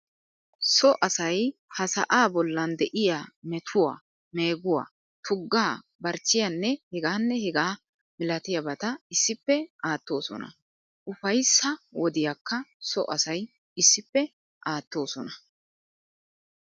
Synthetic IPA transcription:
sɔʔɐsɐjhɐsɐ̰ʔaːbɔlːɐnd̪ɛʔɪjaːmɛt̪ʰʊwa̰ː | me̞ːɡʊwa̰ː | t̪ʰʊɡːaː | bɐɾt͡ʃːɪjɐnːɛhɛɡaːnːɛhɛɡaː | mɪlɐt̪ɪjɐbɐt̪ɐɪsːɪpːɛaːt̪ːo̞ːsɔ̰nɐ̰ | ʔʊfɐjsːɐwɔd̪ɪjakːɐsɔ̰ʔɐsɐj | ɪsːɪpːɛ | ʔaːt̪ːo̞ːsɔnɐ

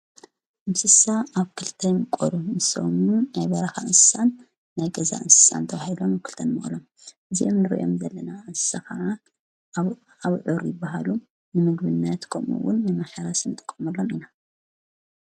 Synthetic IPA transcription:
ʔɨnsɨsaaβkʰɨlt̪ʰɐjmɨkʼoɾumɨso̰munajbɐɾɐxaʔɨnsɨ̥sanː | ajɡɐza̰ʔɨnsɨ̥sa̰nt̪ʰɐβahilomakʰɨ̥lt̪ʰɐnmɐ̰ʔlom | ʔɨziʔomnɨɾḭʔo̰mzɐlːɐnaʔɨnsɨ̥saxaʕa | aβʕʊɾjɪbːaɦalu | nɨmɨɡβɨnːɐt̪kʰɐmṵwʊ̰nːɨmaħaɾasinɨt̪ʼɨ̥kʼːɐmɐlːomina

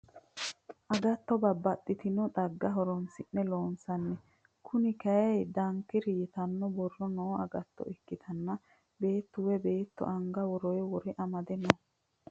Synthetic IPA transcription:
ʔɐɡɐt̪ːɔbɐbːɐt̪ʼːɪt̪ɪnɔd̪ɐɡːɐɦɔɾɔnsɪnːɛloːnsɐnːɛ | kʰʊnɪkɐjɛjd̪ɐŋkːɪɾɪjɪt̪ɐnːɔbɔrːɔnoːʔɐɡɐt̪ːɔ̰ʔɪkːɪt̪ʰɐnːɐ | be̞ːt̪ːʊwɛbe̞ːt̪ːɔ̰ʔɐŋɡɐwɔɾɔjwɔɾɛʔɐmɐd̪ɛnɔ

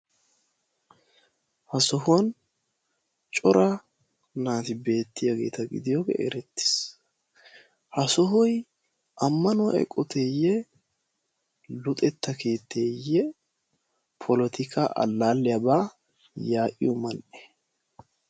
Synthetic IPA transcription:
hɐsɔɦʊn | t͡ʃʼɔɾɐ | naːt̪ɪbe̞ːt̪ːɪjaɡe̞̰ːt̪ɐɡɪ̰d̪ɪjoːɡɛ̰ʔɛ̰ɾɛt̪ːɪ̥s | hɐsɔɦɔj | ʔɐmːɐnʊ̰ʔɛ̰kʼːɔt̪ʰeːjːɛ | lʊt̪ʼɛt̪ːɐkeːt̪ːeːjɛ | pʰɔlɔt̪ɪkʰaʔɐ̰lːaːlːɪjabaː | jaːʔɪ̰jɔmɐnʔɛ̥

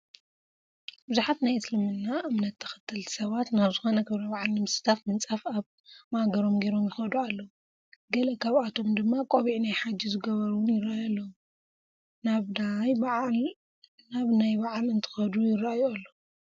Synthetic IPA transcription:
bɨzuħat̪najɨslɨmɨnːaʔɨmnɐt̪ʰːɐ̥xɨ̥t̪ʰːɨlt̪ʰi̥sɐβat̪naβzɨxo̞nɐkʰɨβɾɐbaʕalnɨmɨsɨ̥t̪ʰafmɨnt͡sʼafaβ | maɡɐɾo̞mɡejɾo̞mjɪxɐd̪ualːɐwu | ɡɐlɐkʰaβat̪ʰo̞md̪ɨmːakʼoβiʕnajħad͡ʒizɨɡɐβɐɾuwnjɪɾajalːɐwu | naβd̪ajbaʕl | naβnajbaʕlɨnt̪ʰɨ̥xɐd̪ujɪrajoalːo

